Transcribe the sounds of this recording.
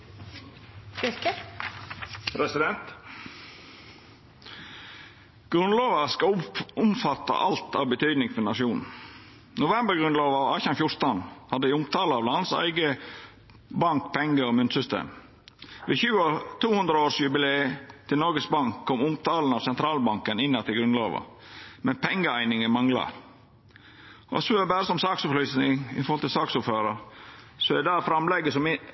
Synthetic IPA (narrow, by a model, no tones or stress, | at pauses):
pʰɾɛsɪd̪ɛnt̪ | ɡ̥ɾʉnloːʋəskɑʊmfɑt̪ːɑ̰ʔɑlt̪ɑ̰ːʋbət̪ʰyːd̪nɪŋfɔnɑʂuːnn̩ | nʊʋɛmbəɾɡɾʉnloːʋɑɑːçɑnfjʊɾt̪ɑnhɑd̪ːəɪʊmt̪ʰɑːləɑʋlɑnsæ̰ɪɡə | bɑŋkpʰɛŋːəɔmʉnt̪sʏst̪ʰḛːm | ʋɛçʉːɔt̪ʰuːhʉnd̪ɾəoːʂjʉbɪleːt̪ʰɪlnɔɾɡəsbɑŋkʰːɔmʊmt̪ʰɑːlnɑʋsɛnt̪ʰɾɑːlbɑŋkənɪnːɑt̪ʰɪlɡɾʉnlɑ̰ːʋɑ̰ | mɛnpʰɛŋːəæɪnɪŋəmɑŋlɑ̰ɾ | ɔ̰sɔbæːɾəsɔmsɑːksʊlyːsnɪŋɪ̰fɔɾhɔlt̪ɪlsɑːksuføːɾɑɾ | sɔɛɛd̪ɑːfɾɑmlɛɡəsɔm